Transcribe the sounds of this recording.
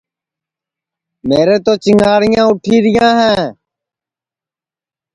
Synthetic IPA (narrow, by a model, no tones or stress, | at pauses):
meːɾeːt̪oːt͡ʃɪŋaːɽɪjãːʊʈʰiːɾɪjãːɦɛ̃ː